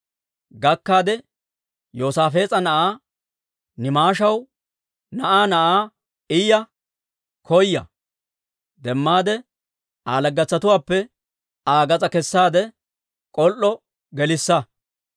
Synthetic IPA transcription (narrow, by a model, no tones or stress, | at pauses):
ɡɐkːaːd̪ɛ | joːsaːfe̞ːt͡sʼɐnɐʔaː | nɪmaːʃɐw | nɐʔaːnɐʔaː | ɪjɐ | kʰɔjːɐ̰ | d̪ɛmːaːd̪ɛ | aːlɐɡːɐt͡sːɐt̪ʊwaːpːɛ | aːɡɐt͡sʼɐkɛsːaːd̪ɛ | kʼɔlʔːɔ | ɡɛlɪsːɐ